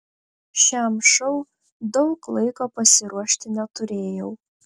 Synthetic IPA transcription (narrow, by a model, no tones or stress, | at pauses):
ʃʲɛːmʂɐʊ | d̪ɐʊklˠɐɪkoːpɐsʲɪɾuɔʃʲt̪ʲɪnʲɛt̪ʊɾʲeːjɛʊ